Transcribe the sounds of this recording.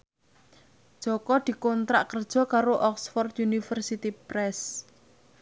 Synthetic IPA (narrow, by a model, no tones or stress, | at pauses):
d̥ʒ̥ɔ̤kɔd̪̥i̤kɔnt̪ɾaʔkərd̥ʒ̥ɔ̤kaɾoʔɔksfɔrt̪junifərsit̪ipɾɛs